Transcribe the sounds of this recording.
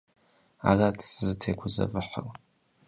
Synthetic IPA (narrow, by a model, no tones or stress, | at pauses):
a̰ratʰsɨzɨtʰeɡʷʊzɐ̰vɨħə̰r